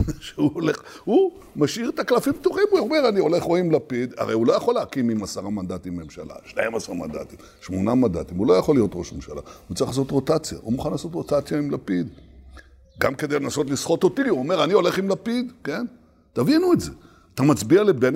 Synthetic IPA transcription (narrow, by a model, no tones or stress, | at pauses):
ʃeuoleχhu | maʃiʁet̪aklafimb̚toχimuomeʁanio̞le̞χʁoimlapid̪a̰ʁejulo̞jaχo̞leakimimasaʁamand̪at̪ime̞mʃa̰la̰ʃnaimasaʁama̰nd̪a̰t̪im | ʃmo̞namand̪a̰t̪imulo̞jaχolːijo̞t̪ʁo̞ʃmemʃa̰la̰ut͡saiχlas̬ot̪ʁo̞t̪at͡sja̰ʔumuχanlaːso̞tʁo̞t̪at͡sjaimlapid̪ | ɡamked̪ejlenaso̞t̪lisχo̞t̪o̞t̪iuome̞ʁanio̞le̞χimlapid̪ke̞n | tavinuetze̞ | t̪amat͡sbialeben